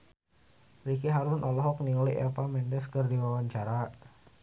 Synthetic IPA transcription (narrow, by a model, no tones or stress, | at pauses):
ɾikiɦaɾʊnʔɔlɔɦɔk̚niuliʔɛ̰pamɛndɛskərdiwawaɲt͡ʃaɾa